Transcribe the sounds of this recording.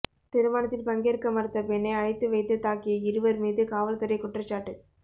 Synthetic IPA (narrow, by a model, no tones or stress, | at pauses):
t̪ɪɾɯmaːnɐt̪ːɪlpɐŋɡeɾkɐmɐɾɐt̪ːɐpɛɳːɐɪɐɻɪt̪ːɯʋɐɪt̪ːɯt̪ːaːkːɪjɐɪɾɯʋɐɾmiːðɯkaːʋɐlt̪ɐɾɐɪkʊʈrɐt͡ʃːaːʈːɯ